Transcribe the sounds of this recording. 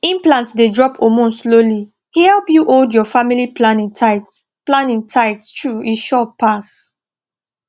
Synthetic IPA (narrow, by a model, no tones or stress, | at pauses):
ĩmplãntsdedɹɔpʰomõnsloli | hɛlpjuʔoldjɔfamiliplanĩŋtʰaɪt | plãnĩŋtʰaɪttʰɹuiʃɔpːas